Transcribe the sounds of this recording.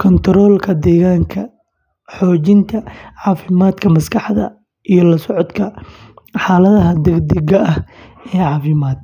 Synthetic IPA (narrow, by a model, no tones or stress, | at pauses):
kʰɔnt̪ʰɾɔːlkʰɐd̪ɛːɣaːŋkʰɐ | ħɔːt͡ʃɪnt̪ʰɐʕɑːfɪmaːd̪kʰɐmɐskʰɑħðɐ̰ | ʔijɞlɐsɔʕɔd̪kʰɐ | ħɑːlɐðɐɦɐd̪ɛɡd̪ɛɣɐʔɐh | ɛːʕɑːfɪmaːd̪̚